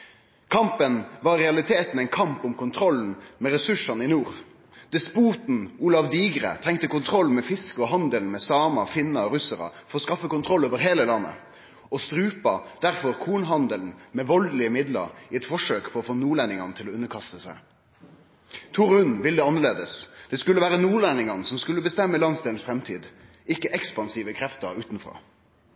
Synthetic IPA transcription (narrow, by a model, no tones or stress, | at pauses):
kʰɑmpənʋɑːɾɛɑlɪt̪ʰeːt̪n̩ɛɪnkʰɑmpʊmkʊnt̪ʰɾɔln̩mɛʁɛsʉʂɑnɪnuːʁ | d̪̥ɪspuːt̪n̩uːlɑʋd̪iːɡʁə̰t̪ʰɛŋt̪əkʊnt̪ʰɾɔlmɛfɪskəɔɦɑnd̪əlnmɛsɑːmɑfɪnːɑɔʁʉsəʁɑ̰fɔɾɔːskɑfːəkʊnt̪ʰʁɔlːoːʋəɾɦeːləlɑnːə̰ | ɔst̪ɾʉːpɑd̪̥æʁfɔɾkʰuːnɦɑnd̪əln̩mɛʋɔld̪lɪəmɪd̪lə̰ɾɪɛt̪fɔʂøːkpʰɔɔfoːnuːlænɪŋɑnət̪ʰɪlɔʉnːəkʰɑst̪əsæ̰ɪ | t̪ʰʊɾʉnʋɪld̪ɛːɑnəʁleːd̪əsd̪̥ɛskʉlːəʋæːɾənuːlænɪŋɑn̩sɔmskʉlːəbəst̪ɛmːəlɑnsd̪eːln̩sfɾɛmt̪ʰiːd̪ | ɪkːəʔɛkspɑnsiːʋəkʰɾɛft̪əɾʉːt̪n̩fʁɑ̰ː